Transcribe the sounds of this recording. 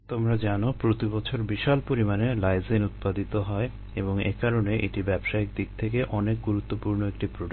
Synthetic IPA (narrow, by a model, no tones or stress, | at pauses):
t̪omɾad͡ʑanopɾot̪ibɔt͡ɕʰoɾbiʃalpoɾimanelajzenut̪̚pad̪it̪oɦɔe | eboŋḛkaɾoneʔeʈibɛbʃaek̚d̪ik̚t̪ʰek̬eʔɔnek̚ɡuɾut̪ːopuɾnoek̚ʈipɾoɖa